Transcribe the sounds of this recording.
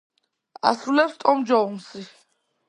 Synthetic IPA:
a̰sulɛpst̪ʼɔmd͡ʒaɔmsi

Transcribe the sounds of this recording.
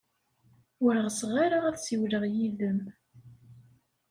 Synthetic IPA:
wəɾəʁəsʁaɾaʁæθsiwləʁjiðəm

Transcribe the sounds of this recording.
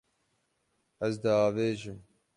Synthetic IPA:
ɐzd̪aːveːʒɪm

